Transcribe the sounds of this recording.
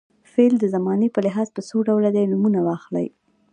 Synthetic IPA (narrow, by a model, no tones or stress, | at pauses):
feld̪əzamɑnepəlɪɦɑzpəsoɖawlad̪ajnumunawɑxla̰j